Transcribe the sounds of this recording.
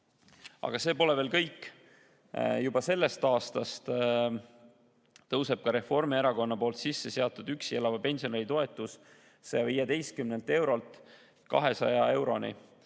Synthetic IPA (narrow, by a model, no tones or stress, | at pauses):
ɑ̰ɡ̥ɑseːpo̞lɛveːlkɤjkːˑ | jubɑse̞lːe̞st̪ɑːst̪ɑst̪ | t̪ɤwseb̥̚kɑɾe̞fo̞rmieɾɑko̞nːɑpo̞ːlt̪sisːe̞se̞ɑt̪ːˑud̪̥yksie̞lɑvɑpe̞nʲsio̞nelit̪o̞e̞t̪ːˑus | sejɑviːjed̪e̞jst̪̚kymnelt̪e̞wɾo̞lt̪ˑ | kɑ̰ɦe̞sɑ̰jɑe̞wɾo̞nḭ